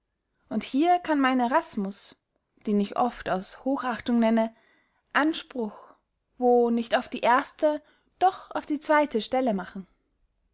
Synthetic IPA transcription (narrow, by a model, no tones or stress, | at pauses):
ʔʊnthiːɐkʰanmaɪneʁasmʊs | d̥eːnɪçʔɔ̰ftaʊshoːxʔaχtʊŋnɛnə | ʔanʃpʁ̥ʊx | voːnɪçtaʊfd̥iːʔeːɐstə | d̥ɔχa̰ʊfd̥iːt͡sv̥aɪtʰəʃtɛləmaχn̩